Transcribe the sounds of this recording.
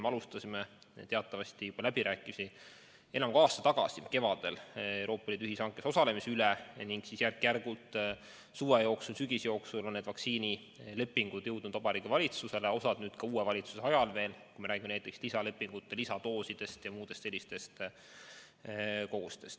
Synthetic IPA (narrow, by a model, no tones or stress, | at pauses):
meɑlust̪ɑsʲimet̪e̞ɑt̪ːˑɑvɑst̪ijub̥ɑlæbiɾæːkːˑimisi | e̞nɑmɡ̥oɑːst̪ɑ̥t̪ɑɡ̥ɑ̰sike̞vɑd̪̥e̞lewɾo̞ːpːˑɑliːd̪uyhisɑŋkːˑeso̞sɑle̞misylɛniŋɡ̥sisjærkːˑjærɡ̥ult̪ | suːejo̞ːksulsyɡ̥isjo̞ːksulonːed̪vɑksiːni | le̞pːiŋɡ̥ud̪̥jɤ̞wd̪̥̚nud̪̥ɑbɑɾiːɡ̥ivɑlʲit̪suse̞le̞o̞sɑd̪nyːd̪̥kɑuːevɑlʲit̪suseɑjɑlve̞ːlkujmeɾæːɡ̥imenæjt̪ːˑekslisɑle̞pːˑiŋɡ̥ut̪ːˑelisɑt̪o̞ːsid̪̥e̞st̪jɑmuːd̪̥e̞st̪se̞lːist̪e̞st̪ | ko̞ɡ̥ust̪e̞st̪